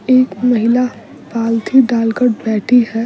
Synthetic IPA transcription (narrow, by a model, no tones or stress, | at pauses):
eːkmɐɦɪla | paːlt̪ʰiɖaːlkəɾbɛːʈʰiɦɛː